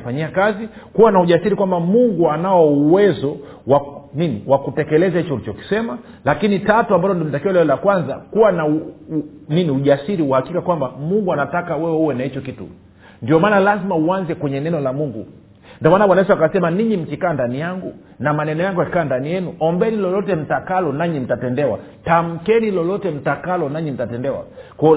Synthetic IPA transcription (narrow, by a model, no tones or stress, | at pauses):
faɲiakazi | kuwanauʄasiɾikwambamuŋɡuanaɔuwɛzɔ | waniniwakutɛkɛlɛzahit͡ʃɔulit͡ʃɔki̥sɛma | lakinitatuambalɔndɔmitakiɔlɛɔlakwanza̰kuwanau | niniuʄasiɾiuhakikakwambamuŋɡuanatakawɛwɛuwɛnahit͡ʃɔkitṵ | ndiɔmaːnalazimauanzɛkwɛɲɛnɛnɔlamuŋɡṵ | ndiɔmaːnawanaiswakasɛmaniɲim̩kikaːndanijaŋɡu | namanɛnɔjaŋɡujaki̥kaːndanijɛnuʔɔmbɛnilɔlɔtɛm̩takalɔnaɲim̩tatɛndɛwa̰tam̩kɛnilɔlɔtɛm̩takalɔnaɲim̩tatɛndɛwa̰kwɔ